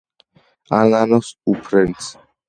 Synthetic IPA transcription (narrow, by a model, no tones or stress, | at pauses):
alanɔsupʰɾɛns